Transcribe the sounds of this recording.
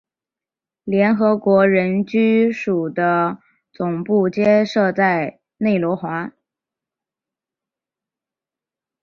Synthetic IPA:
ljɛ˧˥nxɤ˧˥kwɔ˧˥ɻə˧˥nt͡ɕy˥ʂu˨˩d̪ə˦ | t͡sʊ˨˩ŋpu˥˩t͡ɕjɛ˥ʂɤ˥˧t͡sa˥˩˧ɪ | ne˥˩ɪlwɔ˧˥xwa˧˥

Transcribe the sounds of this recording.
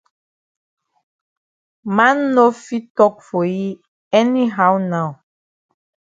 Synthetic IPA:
mã˦nːo˦fi˦tɔ˦k̚fo˨ji˦ | ɛ˦ni˦ɦa˦wna˦˨w

